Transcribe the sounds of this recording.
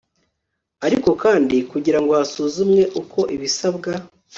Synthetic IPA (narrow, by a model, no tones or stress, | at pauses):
aɾiko̞kaːndikuɟiɾaŋɡo̞asuːzumɲe̞ʔukʰo̞ʔiβisaβɡa